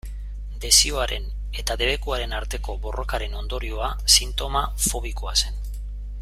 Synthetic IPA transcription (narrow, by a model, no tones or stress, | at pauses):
d̪e̞sioaɾe̞n | e̞t̪aðe̞βe̞kuaɾe̞naɾt̪e̞ko̞bo̞rʔo̞kaɾe̞no̞nd̪o̞ɾio̞a | sint̪o̞mafo̞β̞iko̞ase̞n